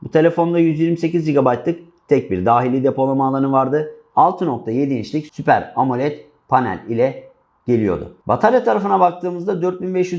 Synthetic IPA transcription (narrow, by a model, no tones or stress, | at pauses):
but̪ʰe̞lʲe̞fo̞nd̪ajyzjiɾmise̞cizd͡ʒiɡabajt̪lˠɯk | t̪ʰɛc̚biɾd̪aːɦilʲːid̪epo̞lˠamalˠaɾɯnvaɾd̪ɯ | alˠt̪ʰɯno̞k̚t̪ʰaje̞d̪int͡ʃlʲicsypæ̰ɾamulʲɛt̪ | pʰanæ̰lʲilʲɛ | ɟ̥e̞lʲijo̞̰d̪ʊ̰ba̰t̪ʰaɾjat̪ʰaɾafɯnabak̚t̪ʰɯːmɯzd̪ad̪øɾt̪̚binbɛʃjy